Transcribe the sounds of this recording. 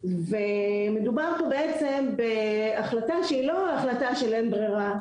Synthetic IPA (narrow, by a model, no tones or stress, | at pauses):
ve | me̞dubaʁpobe̞et͡se̞mbe̞ | aχlataʃeilo̞aχlataʃelenbʁeʁa